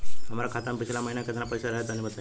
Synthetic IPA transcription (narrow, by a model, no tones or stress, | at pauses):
ɦəmaɾakʰat̪ampit͡ɕʰɛlaməɦinjakət̪napəjsəɾəɦet̪añibət̪a